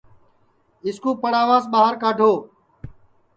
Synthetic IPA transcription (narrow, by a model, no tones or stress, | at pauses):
ɪskuːpəɽaːʋaːsɓaːɦəɾkaːɖʱoː